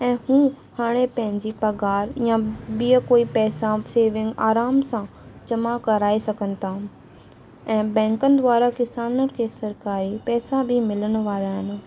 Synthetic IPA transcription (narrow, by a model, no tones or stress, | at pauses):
ɛ̃ːhũː | haːɽ̃epɐ̃ɦɪ̃ɲd͡ʑipɐɡaːɾjãbijəkoːipɛːsaseːʋɪ̃ŋɡaːɾaːmsãd͡ʑɐmakɐɾaːesɐɡənɪ̆t̪ʰaː | ɛ̃ːbɛ̃ːŋkənɪ̆d̪ʋaːɾakɪsaːnən̆kʰeːsɐɾkaːɾipɛːsabʱimɪləñʊ̆ʋaːɾaɦɪn̆